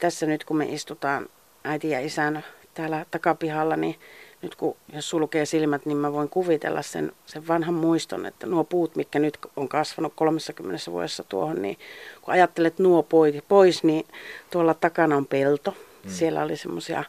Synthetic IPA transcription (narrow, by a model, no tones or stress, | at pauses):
t̪æsːænyt̪kumḛʔist̪ut̪ɑːn | ʔæit̪ijɑ̰isænt̪æːlæt̪ɑkɑpihɑlːɑninyt̪kujossulkeːsilmæt̪nimmæʋoiŋkuʋit̪ḛlːɑ̰ssḛnseʋʋɑnhɑmmuist̪o̰nḛt̪ːænuopuːt̪mik̪kænyt̪koŋkɑsʋɑnukkolomesːɑkymːenesːæʋṵo̰desːɑt̪uo̰honnḭːkuɑjɑt̪ːelet̪nuopoipoisniːt̪uolːɑt̪ɑkɑnɑompelt̪o | sielːæ̰olisemːosiɑ̰